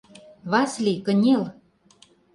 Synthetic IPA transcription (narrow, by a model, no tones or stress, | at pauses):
βɑslʲikə̆nʲel